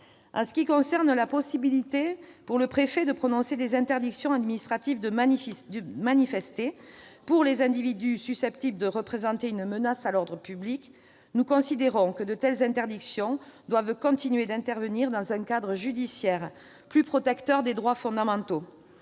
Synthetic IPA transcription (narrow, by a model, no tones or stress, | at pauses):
ɑ̰̃sə̥kʲikɔ̃sɛʁnlapɔsibilit̪epuʁləpχefɛd̪əpχɔnɔ̃sed̪ezɛ̃nt̪ɛʁd̪iksjɔ̃ad̪minist̪χat̪ivd̪əmd̪əmanifɛst̪epuʁlezɛ̃d̪ivid̪ysysɛp̚t̪ibləd̪əʁəpχezɑ̃t̪eynmənasalɔʁd̪ʁəpyblik | nukɔ̃sid̪eʁɔ̃kəd̪ət̪ɛlzɛ̃nt̪ɛʁd̪iksjɔ̃d̪wavkɔ̃t̪inɥed̪ɛ̃nt̪ɛʁvəniʁd̪ɑ̃zɛ̃kad̪ʁəʒyd̪isjɛʁ | plypχɔt̪ɛkt̪œʁd̪ed̪ʁwafɔ̃d̪amɑ̃t̪o